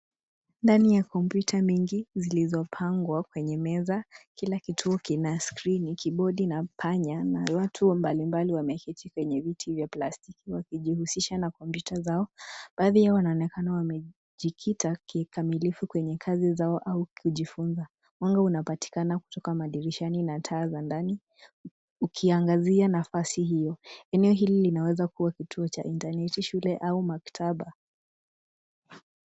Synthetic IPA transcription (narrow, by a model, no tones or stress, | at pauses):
ndanijakɔmpjutʰamiŋɡizilizɔpʰaŋɡwakwɛɲɛmɛzakilakitʰuɔkinaskɾinikiɓɔɗinapʰaɲanawatʰumbalimbaliwamɛkitikwɛɲɛvitʰivjaplastikiwakiʄihusiʃanakɔmpjutʰazaɔɓ̥aːðijawanaɔnɛkanawamɛ | ʄikʰitakikamilifukwɛɲɛkʰazizaɔʔaukʰuʄifunza | mwaŋɡaunapati̥kanaku̥tɔkamaɗiɾiʃaninatʰaːzandani | ukʰiaŋɡazianafasihijɔɛnɛɔɦililinawɛzakuwakitʰuɔt͡ʃa̰ʔintanɛtiʃulɛʔaumaktʰaɓa